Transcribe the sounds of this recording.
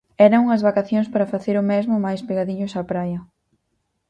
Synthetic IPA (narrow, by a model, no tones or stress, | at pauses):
ɛɾɐŋuŋɐzβakaθjoŋspaɾɐfaθeɾʊmɛzmʊmajspeɣaðiɲʊsapɾajɐ